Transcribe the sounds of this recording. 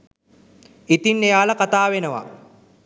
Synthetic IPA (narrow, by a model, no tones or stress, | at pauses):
it̪inːejaːlɐkat̪aːʋenəʋa̰